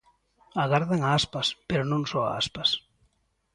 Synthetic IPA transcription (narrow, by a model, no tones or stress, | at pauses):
aɣaɾðaŋaaspaspeɾonõŋsɔa̰a̰spas